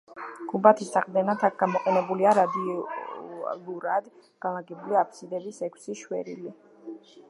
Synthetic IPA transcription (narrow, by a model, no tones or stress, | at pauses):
ɡ̥ubat̪ʰisaqʼd̪ɛnat̪ʰak̚ʰɡ̥amɔqʼɛnɛbuliaɾad̪iɔ | luɾad̪ | ɡ̥alˠaɡɛbuliapʰsid̪ɛbisɛkʷʰsiʃwɛ̰ɾḭli